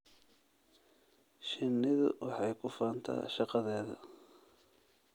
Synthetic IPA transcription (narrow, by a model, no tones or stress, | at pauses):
ʃɪnːɪðʊ̰wɑħɑjkʰʊfaːnt̪ʰa̰ːʃɑqɑðɛːðɐ̰